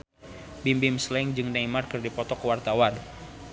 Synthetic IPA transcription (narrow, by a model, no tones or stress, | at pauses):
bimbɪmslɛŋd͡ʒɨŋdaimarkɨrdipɔt̪ɔkwart̪awan